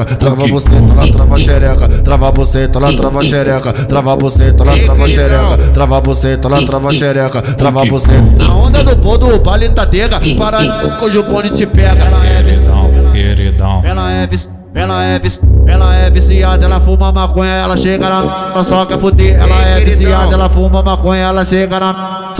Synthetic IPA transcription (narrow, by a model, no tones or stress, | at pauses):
ɐt̪ɾavaboset̪ɛlɐt̪ɾavɐʃeɾɛkɐt̪ɾavaboset̪ɐɛlɐt̪ɾavaʃeɾɛkɐt̪ɾavaboset̪ʊɛlɐt̪ɾavaʃeɾɛkɐt̪ɾavaboset̪ɛlɐt̪ɾavɐʃeɾɛkɐt̪ɾavaboset̪aõnd̪ɐd̪ʊbod̪ʊpalĩt̪ad̪eɡɐpaɾɐkõʒʊpõd͡ʒɪt͡ʃɪpɛɡɐlɐɛvisɐ̰̃kḛɾḭd̪ɐ̰̃ɛlɐɛvis | ɛlɐɛvisɛlɐɛvisiad̪ɐɛlɐfũmɐmakõɲɐɛlɐʃeɡɐnaɐsɔkafut̪eɛlɐɛvisiad̪ɐɛlɐfũmɐmakõɲɐɛlɐʃeɡɐna